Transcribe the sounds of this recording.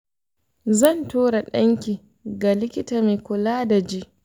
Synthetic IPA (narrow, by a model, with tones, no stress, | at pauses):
zɐ˦˨ntuː˦ɽa˨ɗɐ˦ŋkʲiː˨ | ɡa˨lɪ˦kʲɪ˦taː˨me˨kʷʊ˨laː˦da˨d͡ʒi˦ʔ